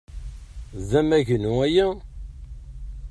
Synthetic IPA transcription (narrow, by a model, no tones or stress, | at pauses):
zæmæʝnuæjæ